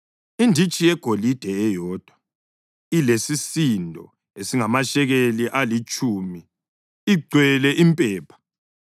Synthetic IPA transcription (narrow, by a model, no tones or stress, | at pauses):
indʱit͡ʃʼijɛɡ̥ʱolid̥ʱɛɛjɔːd̥ʱwa | ilesisindʱɔ̰ | esiŋamaʃɛɣeliʔalit͡ʃʼuːmi | iɡ͡ǀʱwɛlɛʔimpʼɛːpʰḁ